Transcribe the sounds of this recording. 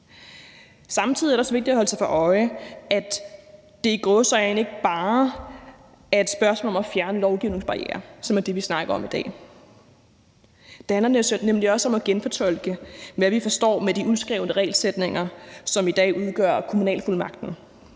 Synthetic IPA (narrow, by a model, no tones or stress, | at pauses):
sɑ̈mt͡sʰið̰ˠiæɐɾeɒsʋe̝ɡ̥̚d̥i̥æhɒ̽ləsɑ̈ɪfɑʔɒ̽ɪæ̥ | d̥e̝iɡ̥ɔ̽sɒne̝ɡ̥əb̥ɑ̈ː | æɐe̝d̥sb̥ɶɐsmɔ̰ːlɒ̽mæfjæɐnəlɒʊɡ̥iʊne̝ŋsb̥ɑ̈ʁiɛ̰ːɐ̰sɒ̽mæɐd̥e̝ʋisnɑ̈ɡ̥ɐɒ̽mid̥ɛ̰ː | d̥e̝hænlɐnemliɒ̽səɒ̽mɒɡ̥enfɒt͡sʰɒ̽l̰ɡ̥əmæʋifɒ̽sd̥ɒ̰ːmed̥iʔuðˠsɡ̥ʁɛːʊnəʁɛ̰ːlsed̥ne̝ŋɐsɒ̽mid̥ɛ̰ːʔuð̞ˠɡ̥ɶɐ̰kʰo̝munɛ̰ːlful̰mɑ̈ɡ̥̚d̥n̩